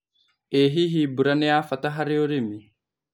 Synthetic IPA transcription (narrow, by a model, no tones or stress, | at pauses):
eɦiɦibuɾɐnɛaːfɐt̪ɐɦɐɾioɾimi